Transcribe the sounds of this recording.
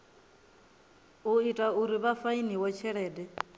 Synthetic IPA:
uitʼauɾiβafainiwɔt͡ʃʰɛɺɛːdɛ

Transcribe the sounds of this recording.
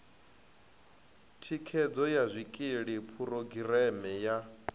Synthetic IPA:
tʰikʰɛd͡zɔjazʷikʼiɺipʰuɾoɡiɾɛmɛja

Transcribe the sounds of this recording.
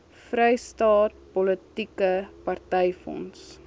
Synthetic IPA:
frɛjstɑːt̚pɔlətikəpɐrtɛjfɔ̰ns

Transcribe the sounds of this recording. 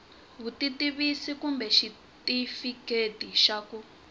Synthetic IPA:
βutitiβisikumbɛʃi | tifiketiʃaku

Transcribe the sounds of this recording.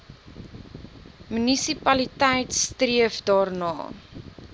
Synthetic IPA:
mynisipɐlitɛjtstriəfdɑːrnɑ̰ː

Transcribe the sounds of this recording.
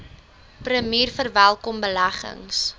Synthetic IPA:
prəmiːrfərvælˠkɔmbəlæχə̰ŋs

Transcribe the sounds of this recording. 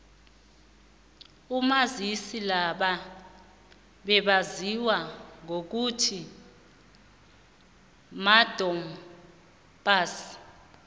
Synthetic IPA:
umazisilaɓa | ɓɛɓaziwaŋok̬utʰi | mad̥ʱɔm̩ | ɓaːsi̥

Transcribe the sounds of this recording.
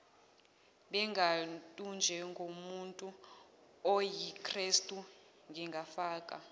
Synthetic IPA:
ɓɛŋɡʱatʼund͡ʒʱɛŋɡʱomuntʼu | ɔjikʰʼristʼu | ŋɡʱɛŋɡʱafaːkʼa̰

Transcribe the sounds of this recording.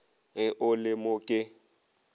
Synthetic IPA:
ɦɪʔʊlɪmʊkʼɪ

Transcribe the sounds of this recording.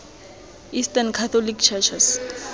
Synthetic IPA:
istankʰat̪ʰɔlikt͡ʃʰɛt͡ʃʰɛs

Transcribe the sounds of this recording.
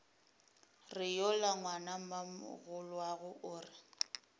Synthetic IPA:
rɪjɔlaŋwanamamʊ̰ɣʊlwaɣʊʔʊːrɪ

